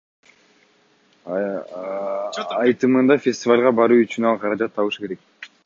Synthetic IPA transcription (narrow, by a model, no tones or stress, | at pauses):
jt̪ɯmɯnd̪ɑfʲesʲtʲɪvalʲʁɑbɑɾuyt͡ʃynɑlˠqʰɑɾɑd͡ʒɑt̪ʰːɑβɯʃɯ̥ke̞ɾe̞k̚